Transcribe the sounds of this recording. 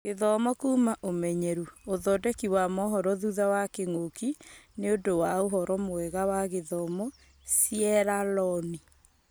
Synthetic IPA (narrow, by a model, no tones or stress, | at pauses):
ɣeðɔmɔkuːmaʔomɛɲɛɾuoðɔdɛkiwamɔɦɔɾɔðuðawakeŋokineodowaoɦɔɾɔmoɛɣawaɣeðɔmɔ | sjɛɾalɔni